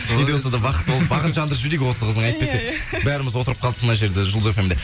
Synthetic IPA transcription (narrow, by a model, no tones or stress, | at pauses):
vid̪esɑd̪ɑbɑqət̪̚bolˠəpbɑʁənʒɑnd̪əɾʒʏɾeɡʲɪwo̞səqʰəzd̪əɴɑjt̪ə̥pesebæɾɪmɪzwo̞t̪əɾəp̚qʰɑlˠəmənɑʒe̞ɾd̪eʒʊlˠefemnd̪e